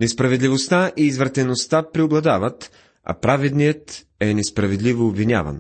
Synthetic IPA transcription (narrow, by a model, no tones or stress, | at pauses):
nɛspɾɐvɛd̪lʲivost̪aʔiːzvɾɐt̪ɛnost̪apɾioblˠɐd̪avət̪ | a̰pɾavɛd̪nijət̪ | ɛnɛspɾɐvɛd̪livoːbvinʲa̰vɐ̰n